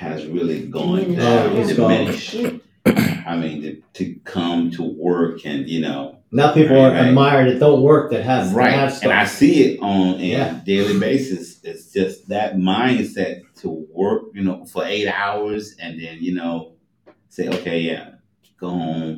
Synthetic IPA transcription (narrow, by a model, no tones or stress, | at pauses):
hɨzɹɪlˠiɡɔ̃nozdɨɡmɪ̃nʃ | aɪmĩntɨtʰɨkʰʌ̃mtʰəwɜ˞kʰɨ̃njɨno̰ʊ | naʊpipl̩ˠə˞ɨd̚maɪə˞ɾɨt̚d̥õʊ̃nwɜ˞k̚ðɨt̚ɦɨzɹaɪaɨ̃naɪsiɪɾn̩ɨdeɪlˠibeɪsɨsɪtsd̥ʒ̥ʌsðɨt̚mãɪ̃nd̥sɛtʰəwɜ˞k̚jɨnoʊfə˞eɪɾaʊə˞zɨ̃nðɨ̃njɨnoʊ | seɪʔo̰ʊkʰeɪjæ̰ | ɡ̥oʊhõʊ̃m